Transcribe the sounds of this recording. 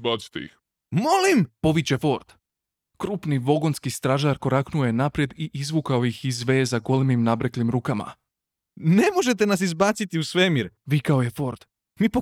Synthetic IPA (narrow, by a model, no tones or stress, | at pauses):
bat̪si̥t̪ḛḭx | molimpo̞ʋit͡ɕe̞fo̞ɾd̪̥ | kɾuːpniʋo̞ɡo̞nskist̪ɾaʒaɾko̞ɾaknuojenapɾje̞d̪iʔizʋuːkaojixizʋe̞ːzaɡolmimnabɾeklimɾuːkama̰ | ne̞mo̞ʒe̞t̪e̞nas̬izbaːt̪sit̪iusʋemiɾʋikaoje̞fo̞ɾd̪̥ | mipo